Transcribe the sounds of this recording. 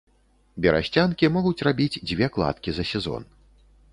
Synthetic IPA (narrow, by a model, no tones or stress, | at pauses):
bʲɛɾa̰ɕʲt͡sʲankʲimɔɣut͡sʲrabʲid͡zʲd͡zʲvʲɛklˠa̰t̪kʲizɐsʲɛzɔ̰n